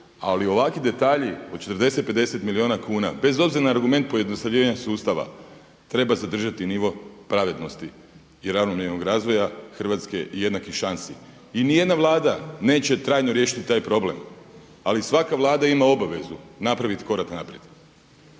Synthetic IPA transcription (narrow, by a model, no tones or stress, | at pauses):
a̰lio̞ʋakid̪e̞t̪aːʎio̞d̪̚t͡ʃe̞t̪rd̪e̞se̞t̪̚pe̞d̪e̞se̞t̪milio̞ːnakuːna̰be̞zo̞bziɾanaːɾɡume̞nt̪̚poje̞d̪no̞st̪aʋʎʲiːʋaɲasuːst̪aʋa̰ | t̪ɾe̞bazad̪r̩ʒat̪iniʋo̞pɾaʋe̞d̪no̞st̪iː | ɾaʋno̞mjeɾno̞ɡɾaːzʋo̞jaxr̩ʋat̪ske̞̰ʔije̞d̪nakiʃansi | inije̞d̪naʋlˠaːd̪ane̞ːt͡ɕe̞t̪ɾaːjnoɾje̞ːʃi̥t̪i̥t̪ːaːjpɾo̞ble̞m | alisʋakaʋlˠaːd̪aimao̞baʋe̞zunapɾaʋit̪i̥ko̞ɾaknapɾjed̪